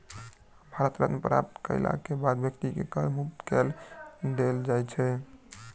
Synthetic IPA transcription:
bʱaɾət̪ɾət̪mpɾa̰p̚t̪kə̰ɪla̰kebad̪bjək̚t̪ikekəɾmukt̪kɛlɖ̪eld͡ʒajt͡ʃʰɛ

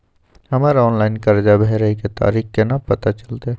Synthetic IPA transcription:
hɐmaːɾɔːnlaːɪnkɐɾd͡ʒabʱeːɾəiket̪a̰ːɾiːxkenapɐt̪at͡ʃɐlt̪e

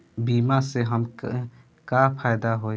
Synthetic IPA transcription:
biːmaseɦəm | kapʰaːjd̪aɦoː

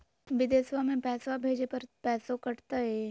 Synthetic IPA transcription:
ʋɪd̪eːsʋamẽpɛːsʋabʱeːd͡ʒepɐɾpɛːsõkɐɽt̪aɦɛ

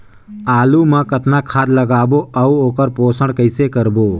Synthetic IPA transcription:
aːluːmãːkət̪naːkʰaːd̪ləɡaːboːɐuoːkəɾpoːsəɽkəɪsekəɾboː

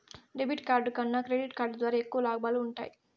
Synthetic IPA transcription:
ɾebiʈkaːɾɖkɐnːɐkɾeɖiʈkaːɾɖd̪ʋaːɾaːekːuʋɐlaːɡɐbaːluuɳʈa̰ːji

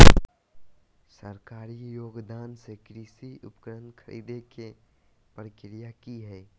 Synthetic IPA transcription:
səɾkaːɾijoːɡd̪aːnsekɾiːsiʊpkəɾənkʰəɾḭːd̪eke | pɾkɪɾijakiɦɛː

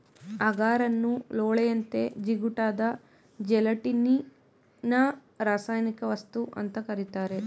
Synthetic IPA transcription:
ɐɡaːɾɐnːuloːɭejɐnt̪e̞d͡ʒiɡuʈaːd̪ɐ | d͡ʒɛlɐʈini | nɐ | ɾaːsaːjnikɐʋɐst̪uʔɐ̰nt̪ɐkɐɾit̪aːɾe̞

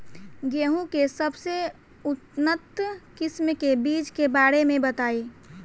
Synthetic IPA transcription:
ɡeːɦũkesəbse | ʊt̪nət̪kɪsmkebiːt͡ʃkebaːɾemẽbət̪aːiː

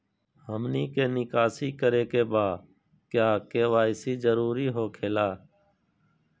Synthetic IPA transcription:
həmniːkeːnɪkaːsiːkəɾeːkeːbaː | kjaːkeːʋaːɪsiːd͡ʒəɾuːɾiːɦoːkʰeːlaː

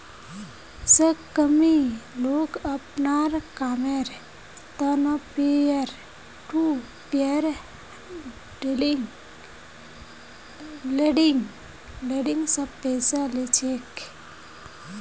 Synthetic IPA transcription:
səkːəmiloːɡəpnaɾkameɾ | t̪ənapeəɾ | ʈu | peɾ | ɖelŋ | leɖiŋ | leɖiŋɡsə̃pɛjsalet͡ʃʰek

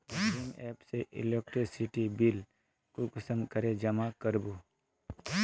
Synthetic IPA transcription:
kimɛːpseʔɪ̰lek̚ʈesɪʈibil | kukʊsə̃mkəɾed͡ʒɐmakəɾbu

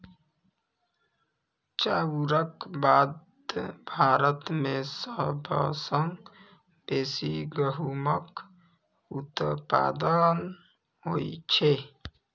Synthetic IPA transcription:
t͡ʃauɾəkbaːd̪ | bʱaːɾət̪mẽsəbʱə̰səŋɡ | beːsiɡəɦumək | ut̪pa̰ːd̪ən | ɦoit͡ʃʰe

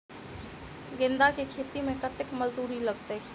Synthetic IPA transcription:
ɡɪ̃nd̪akikʰeːt̪imẽkət̪ɪkməzd̪uːɾilɐɡt̪e

